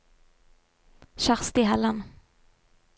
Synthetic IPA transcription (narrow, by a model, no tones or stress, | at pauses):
ʃaʁst̪ɪɦɛlːən